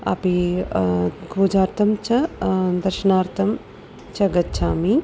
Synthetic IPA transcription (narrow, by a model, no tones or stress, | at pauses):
ɐ̰pi | kʰɾod͡ʒaːɾt̪ʰɐmt͡ʃʰɐd̪ɐɾʃɐnaːɾt̪ʰɐm | t͡ʃɐɡɐtːt͡ʃʰaːmi